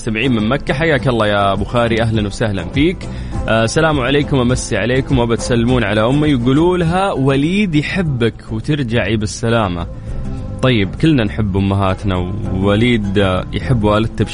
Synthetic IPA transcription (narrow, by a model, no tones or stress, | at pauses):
st̪amɪʕiːnmɪnmakːaħajːaːkɑlˤːɑːjabʊxaːɾiʔaɦlanwsahla̰nfiːkː | salaːmuʕaleːkʊmʔamasːiʕaleːkʊmwʔabat̪salːɪmuːnʕalaʔʊmːajɡuːluːlɦawaliːd̪jħɪbːakwt̪ɪɾd͡ʒaʕibɪsːalaːma̰ | t̪ˤɑjːɪbkɪlːnanħɪbːʔʊmːaɦaːt̪na̰wːaliːd̪jħɪbːwaːlɪd̪̚t̪ab